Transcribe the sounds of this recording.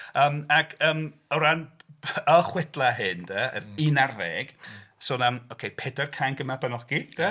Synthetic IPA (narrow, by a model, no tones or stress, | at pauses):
əːmakʰəːmɔɾanəχwɛd̥lˠaɦɨndəə̰inarɛɡ̥sʊnamowkʰejpʰɛːdarkʰajnɡəmabanɔɡ̥id̥ə